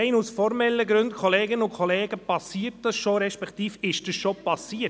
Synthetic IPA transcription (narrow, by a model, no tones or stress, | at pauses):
eɪnusfɔɾmɛlːəɡɾʉntkʰɔleːɡɪnəʊkʰχoleːɡ̥əpɑsiːəɾt̚d̥ɑsʃoɾɛʃpɛkt̪iːfɪʃd̥əsʃopɑsiːə